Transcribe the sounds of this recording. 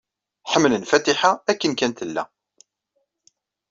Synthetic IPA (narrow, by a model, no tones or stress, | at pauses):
ħəmːlənfæt̪iħaækːənkænt̪əlːæ̰